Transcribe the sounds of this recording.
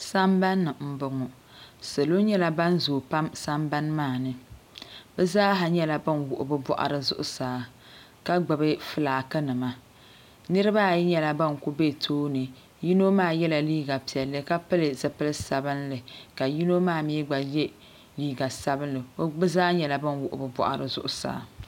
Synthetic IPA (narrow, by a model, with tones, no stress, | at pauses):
sa˦mba˦nːɨ˨m̩˦˨bʊ˨ŋɔ˨ | sɨ˨lo˦ɲɛ˦la˦ba˦n˦zoː˨pa˦msa˦mba˦nmaː˦˨nɨ˦ | bɨ˦zaː˦ɦa˨ɲɛ˦la˦bɨ˦nwʊ˨ʔʊ̰˨bɨ˦bɔ̰˦ʔa̰˨ɾɨ˨zʊ̰˦ʔʊ̰˦saː˨ | ka˦ɡ͡bɨ˨bɨ˦fɨ˨laː˨kɨ˦nɨ˨ma˨ | nɨ˦ɾɨ˦ba˦˨ji˦ɲɛ˦la˦ba˦nku˦be˦˨tʰoː˦nɨ˨ | ji˦no˦maː˦˨jɛ˦la˨liː˦ɡa˨pi˨ɛ˨lːɨ˦ka˦pɨ˦lɨ˨zɨ˨pɨ˦lɨ˦sa˨bɨ˦nlɨ˨ka˨ji˦no˦maː˦˨mi˦ɡ͡ba˨jɛ˦ | liː˦ɡa˨sa˦bɨ˦nlɨ˨o˦bɨ˦zaː˦ɲɛ˨la˨bɨ˦nwʊ˨ʔʊ̰˨bɨ˨bɔ̰˦ʔa̰˨ɾɨ˨zʊ̰˦ʔʊ˦sa̰ː˨˦˨